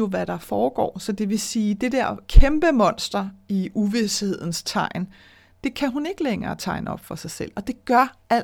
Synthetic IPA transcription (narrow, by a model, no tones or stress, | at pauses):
o̝ʋæɾ̥ɑ̈fɒːɡ̥ɒ̰ːsɒ̽d̥e̝ʋe̝siːd̥e̝d̥eɐ̰kʰemb̥əmɒ̽n̰sd̥ɐiuʋishe̝ð̰ˠn̩st͡sʰɑ̈ɪ̰n | d̥e̝kʰæɦune̝ɡ̥əleŋɐːt͡sʰɑ̈ɪnəɒ̽b̥fɒ̽sɑ̈ɪsel̰ɒ̽d̥e̝ɡ̥ɶɐæl̰